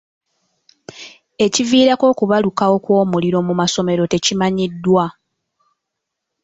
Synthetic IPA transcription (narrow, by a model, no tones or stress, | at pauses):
e̞civiːɾako̞ːkuβalukawo̞kwo̞ːmuliɾo̞mumaso̞me̞ɾo̞te̞cimaɲidːwa